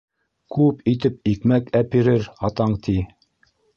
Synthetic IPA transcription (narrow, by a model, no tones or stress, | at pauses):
kʉpit̪ɘp̚ikmækæpiɾɘɾɑt̪ɑɴt̪ʰi